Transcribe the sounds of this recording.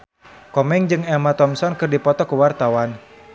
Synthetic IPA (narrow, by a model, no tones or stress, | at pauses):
kɔmɛŋd͡ʒɨŋɛmat̪ɔmsɔnkɨrdipɔt̪ɔkuwart̪awan